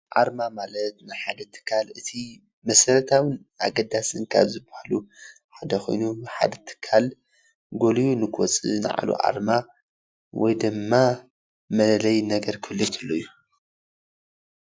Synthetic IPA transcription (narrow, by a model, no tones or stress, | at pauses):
ʔa̰ɾmamalɐt̪̚nɨħad̪ɐt̪ʰɨ̥kʰːalɨt̪ʰi | mɐsɐɾɐt̪ʰawɨn | ʔa̰ɡɐd̪asɨnkʰa̰βzɨbahalu | ħad̪ɐxʰo̞̰jnuħa̰d̪ɐt̪ʰɨ̥kʰːal | ɡo̞lijunɨkʰwɔt͡sʼɨ̰nɨ̰ʕa̰lṵʔa̰ɾma | wʔɔ̰jd̪ɨmːa | mɐllɐjnɐɡɐɾkʰɨlːɨt̪ʰɨlːojːu